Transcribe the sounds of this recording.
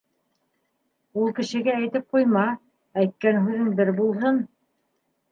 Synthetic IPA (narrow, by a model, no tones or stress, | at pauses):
ulˠkɘ̆ʃɘ̆ɡææjt̪ɘp̚qujmɑ | æjt̪̚kænɦʉðɘnbɘɾbulˠɦɤn